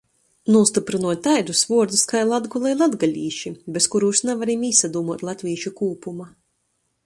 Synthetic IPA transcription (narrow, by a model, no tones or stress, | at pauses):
nuɔst̪ipɾɨnuɔt̪t̪ajd̪usvuɔɾd̪uskajlˠad̪ɡulˠɛjlˠad̪ɡalʲiːʃibeskuɾuːʃnavaɾimiːsad̪uːmuɔt̪lˠat̪ʲvʲiːʃukuːpuma